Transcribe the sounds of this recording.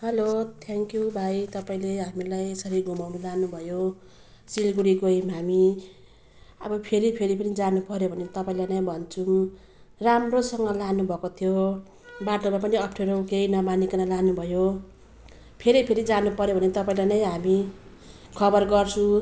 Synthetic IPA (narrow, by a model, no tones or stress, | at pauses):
ɦʌlot̪ʰeŋkjubʱajt̪ʌpaĩleɦamilajsʌɾiɡumawmilanubʱʌjo | silɡuɾiɡoɦimɦami | ʌbʌpʰeɾipʰeɾipʌnid͡zanupʌɾjobʱʌnet̪ʌpaĩlajnʌj̃bʱʌnt͡sʰum | ramrosʌŋɡʌlanubʱʌkot̪ʰijo | baʈomap̬ʌniʌpʰʈʰeɾokejnʌmanikanalanubʱʌjo | pʰeɾipʰeɾid͡zanupʌɾjobʱʌnet̪ʌpaĩlajnʌj̃ɦami | kʰʌbʌrɡʌrt͡sʰũ